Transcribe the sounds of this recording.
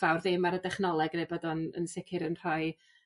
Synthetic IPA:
vawrðɪmaɾədɛχnɔlˠɛɡnɛbɔdɔnə̰nsɪkʰɪɾənr̥ɔj

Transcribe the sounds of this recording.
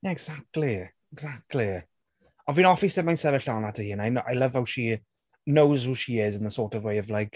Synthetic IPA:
jaɛɡz̥ak̚tʰˡli | ɛɡzak̚tʰˡli | əvinɔfisɛmãjnsɛvəɬanatʰəhiːə̃naɪnʔaɪlʌv̥hawʃi | noʊzhuːʃiɪzɪ̃nðəsɔːtəvweɪəvlaɪk

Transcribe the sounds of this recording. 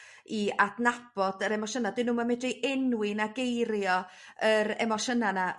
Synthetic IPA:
iadnab̥ɔdəɾɛmɔʃənadɪnuːmamɛdriʔɛnwɪnaɡejɾjɔ | əɾɛ̰mɔʃənana

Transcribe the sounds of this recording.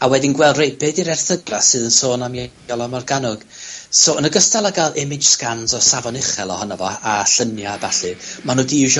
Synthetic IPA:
awɛdɪnɡwɛlˠdrejpɨdiɾɛrθəɡrasɨðənsoːnamje | ɔlˠamarɡanʊɡ̥soənəɡəstalˠaɡalˠɛmɪd͡ʒ̥skanzɔsavɔnɪχɛlˠɔhɔnɔvɔaɬənjabaɬɨmanuːdiʒ

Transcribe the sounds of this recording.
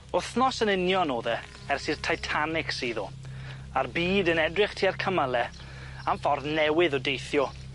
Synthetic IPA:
ʊθnɔsənɪnjɔnoːðɛ | ɛrsirtʰajtʰanɪksiːðo | arbiːdənɛdrɪχtʰiːarkʰəməlˠɛ | aɱfɔrvnɛwɪðɔdejθjɔ

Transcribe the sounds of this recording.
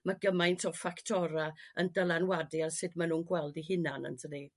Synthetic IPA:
maɡəmajntʰɔfaktʰɔɾaəndəlˠanwadiarsɨdmanuːnɡwɛlˠdiɦɪnanə̰ntʰəni

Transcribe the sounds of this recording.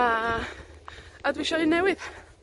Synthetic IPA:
a | adwiʃɔɨnɛwɪð

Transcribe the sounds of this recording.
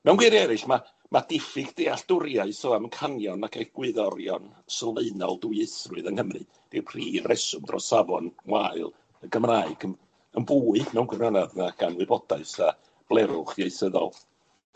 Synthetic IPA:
mɛwnɡwɪɾɛɾɨɬma | mad̥ɪfɪɡd̥eaɬd̥ʊɾjaɨsɔamənkʰanjɔnakʰaɡ̥wɨðɔɾjɔ̰n | səlˠmeɨnɔ̰lˠdʊjɪθrʊɨðənhəmrɨ | d̥ipʰr̥iːrɛsʊmdrɔ̰savɔnwaɨlˠ | əɡəmraːɨɡən | ənbuːɨmɛwnɡwɪranaðnaɡ̥anwɨbɔdaɨsa | b̥lˠɛɾʊχjeɨθəðɔ̰lˠ

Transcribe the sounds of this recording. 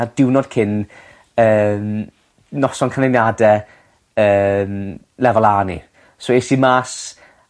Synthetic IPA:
adɪwnɔd̥̚kʰɪn | əːm | nɔsɔnkʰanɪnjadɛ | əːm | lɛvɔlˠaːnḭ | soesimaːs

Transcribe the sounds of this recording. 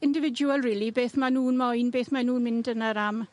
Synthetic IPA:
ɪndɪvɪduəlˠriːlˠibeːθmanuːnmɔjnbeːθmanuːnmɪndənaɾam

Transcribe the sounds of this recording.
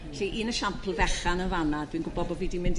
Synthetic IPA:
ɬiʔiːnəʃampʰlˠvɛχanənvanadwinɡʊbɔbɔviːdimɪnd

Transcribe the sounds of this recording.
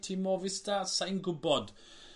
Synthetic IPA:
tʰimɔvɪstasajnɡʊbɔd̥

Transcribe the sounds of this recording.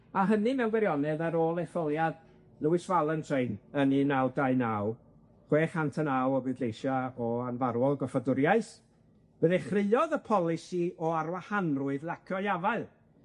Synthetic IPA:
aɦənɨmɛwnɡwɛɾjɔnɛðaɾoːlˠɛfɔlˠjad | lˠəwɨsvalˠəntʰeɨnəninawdaɨnaw | χweːχantʰənawɔbɨdlejʃaɔanvaɾwɔlˠɡɔfadʊɾjaɨθ | b̥əðɛχrɪlɔðəpʰɔlˠɪsiɔaɾwahanrʊɨðlˠakʰɔjavaɨlˠ

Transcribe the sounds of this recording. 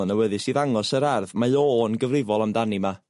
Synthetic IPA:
nəwɛðɨsiːðaŋɔsəɾarðmaɨoːnɡəvrɪvɔlˠamdanima

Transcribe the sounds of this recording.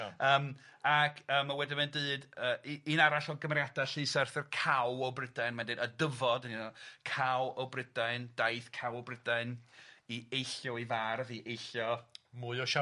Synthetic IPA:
əːmakʰəːmawɛdɪmɛndɨːdəːinaɾaɬɔɡəmrjad̥aɬɨsɛrθərkʰawɔwbrɪdaɨnmandɨdadəvɔdninɔkʰawɔwbrɪdaɨnd̥aɨθkʰawɔbrɪdaɨniejɬjɔivarviʔejɬjɔmuɨɔʃa

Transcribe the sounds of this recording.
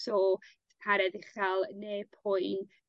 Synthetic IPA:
sɔ | pʰaɾɛðɪχalˠneːpʰʊɨn

